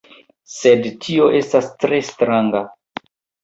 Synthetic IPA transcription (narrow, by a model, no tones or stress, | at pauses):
sedtʰio̞ʔe̞stastɾe̞stɾaŋɡa